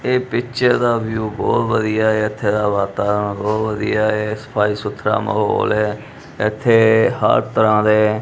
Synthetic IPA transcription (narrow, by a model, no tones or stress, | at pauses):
eːpɪkʃəɾd̪aːʋjuːbɔ̰ːt̪ʋəd̪ijaːeːɪt̪ʰːeːd̪aːʋaːt̪aːɾənbɔːt̪ʋəd̪ijaːeːsə̥pʰaːiːsʊt̪ʰːɾa̰ːmə̰ɦo̰ːlɛː | ɪt̪ʰːeːhə̰ɾt̪əɾãːd̪eː